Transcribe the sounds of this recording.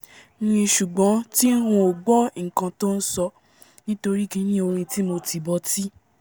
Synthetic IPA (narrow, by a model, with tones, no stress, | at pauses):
nĩ˧ʃu˨ɡ͡bɔ̃˨˦ti˦ɾ̃ũ˧˦o˨ɡ͡bɔ˦ŋ̩˨kã˧to˦n̩˦sɔ˧ | nĩ˦to˧ɾi˦ki˦nĩ˦o˧ɾ̃ĩ˧ti˦mo˧ti˨bɔ˧ti˦